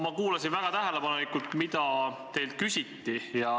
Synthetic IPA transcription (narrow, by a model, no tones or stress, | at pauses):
mɑkuːlɑsinvæɡ̥ɑt̪æɦelepɑnulikːˑult̪mit̪ɑt̪e̞jlt̪̚kysʲit̪ːijɑ